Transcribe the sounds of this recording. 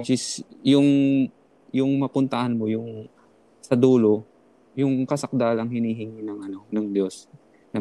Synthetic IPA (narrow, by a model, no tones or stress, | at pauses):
t͡ʃɪsjʊŋ | jʊŋmɐpʊnt̪ɐhanmojʊŋ | sɐd̪uːlo̞ | jʊŋkɐsɐk̚d̪aːlɐŋɦɪnhiːɦɪŋinɐŋʔɐnonɐŋd̪jo̞s | nɐ